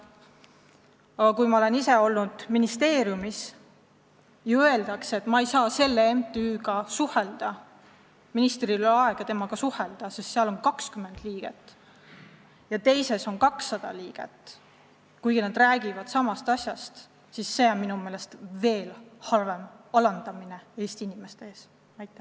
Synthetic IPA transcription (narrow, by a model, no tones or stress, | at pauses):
ɑɡ̥ɑkujmɑo̞le̞nise̞o̞lnud̪̥minist̪e̞ːɾjumis | jɑøe̞ld̪̥ɑkse̞t̪mɑejsɑːse̞lːeemt̪ːˑyːɡɑsuhe̞ld̪̥ɑ | minist̪rilɑe̞ɡ̥ɑt̪e̞mɑɡ̥ɑsuhe̞ld̪̥ɑsest̪seɑlo̞nkɑkskyme̞nd̪liːɡ̥e̞̰t̪ːˑ | jɑt̪e̞jse̞so̞nkɑksːɑd̪̥ɑliːɡ̥e̞̰t̪ːˑ | kujɡ̥inɑd̪ræːɡ̥ivɑd̪̥sɑmɑst̪ɑsʲjɑst̪ | sisːe̞ːonminume̞ːle̞st̪ve̞ːlhɑrvemɑlɑnd̪̥ɑmine̞e̞ːst̪iinime̞st̪eeːs | næjt̪ːˑe